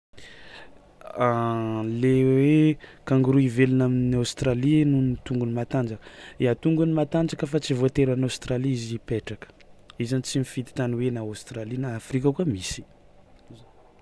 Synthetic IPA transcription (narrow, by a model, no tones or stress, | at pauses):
alewekaŋɡuɾuivelinaminiawst̪ɾalinunit̪uŋɡunimat̪and͡ʒakəeat̪uŋɡunimat̪and͡ʒakəfat͡sivot̪eɾanawst̪ɾaliizipeʈ͡ʂakə̥izanit͡simifit̪i̥t̪aniwenaast̪ɾalinaːfɾikəkuamisi̥